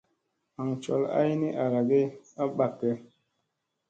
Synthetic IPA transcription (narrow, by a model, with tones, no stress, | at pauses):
a˨ŋt͡ʃo̰˨la̰˦jni˦ʔa˨ɾa˨ɡe˦a˦ɓa˨kːe˦